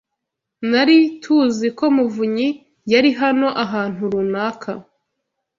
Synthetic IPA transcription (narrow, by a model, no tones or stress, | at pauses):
naɾitʰuziko̞muvuɲi | jaɾiɦano̞ʔaɦaːn̥uɾunaːkʰa